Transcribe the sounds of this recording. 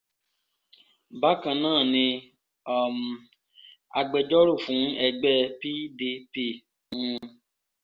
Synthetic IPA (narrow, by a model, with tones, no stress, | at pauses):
ba˦kã˧nãː˦˨nĩ˧ | a˨m˨ | a˧ɡ͡bɛ˧d͡ʒɔ˦ɾu˦˨fũ˨˦ɛ˧ɡ͡bɛ˦pi˦de˧pe˦˨ | ũ˧